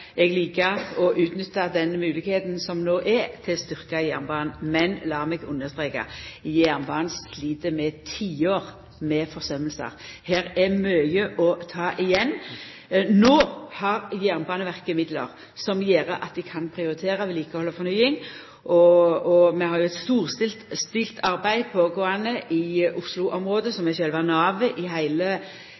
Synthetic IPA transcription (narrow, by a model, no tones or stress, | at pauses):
ɛɡliːkəɾɔʔʉːt̪nʏt̪ːɑd̪ɛnmʉːlɪɡheːt̪nsɔmnoːʔɛt̪ʰɪlst̪ʏʁkɑjæːʁnəbɑːnmɛnlɑːmɛɡʊnːəʁst̪ʁeːkɑ̰jæːʁnbɑːnsliːt̪əmɛt̪ʰiːoːʁ | mɛfɔʁsœməlsə̰ɾhæːɾɛmœʏjəʔɔt̪ʰɑːʔɪjɛnː | noːhɑɾjæːʁnbɑːnəʋæʁkəmɪd̪lə̰ʁ | sɔmjeːɾəʔɑ̰t̪̚d̪ɪkʰɑnpʰɾɪʊɾɪt̪ʰeːɾəʋɛliːkəhɔlːəfɔɾnyɪŋ | ʔɔɔmɛhɑɾjʊɛt̪st̪uːʁst̪ɪlt̪st̪ɪlt̪ʰɑɾbæɪpʰɔɡoːɑnəʔɪʊslʊʔɔmʁoːd̪əsɔmɛçœlʋɑnɑːʋəʔɪɦæɪlə